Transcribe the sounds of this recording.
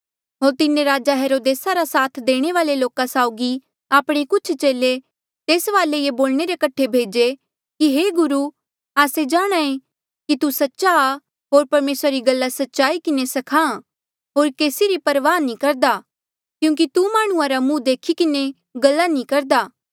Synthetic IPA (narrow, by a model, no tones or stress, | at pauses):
ɦoːɾt̪ɪnẽɾaːd͡ʒaɦeːɾoːd̪eːsaɾasaːt̪ʰd̪eːɽ̃eʋaːleloːkasaːʊɡi | aːpɽ̃ekʊt͡ʃʰt͡ʃeːle | t̪eːsʋaːlejeboːlɳ̃eɾekɐʈʰːebʱeːd͡ʒe | kiɦeːɡʊɾu | aːsed͡ʒaːɽ̃aːẽ | kit̪usɐtːʃa | ɦoːɾpɐɾmeːsɾaɾiɡɐlːasɐtːʃaːikɪnesɐkʰã | ɦoːɾkeːsiɾipɐɾʋaːnĩkɐɾd̪aː | kjũːk̬it̪umaːɽ̃ʊ̃ãɾamũd̪eːkʰikɪne | ɡɐlːanĩkɐɾd̪aː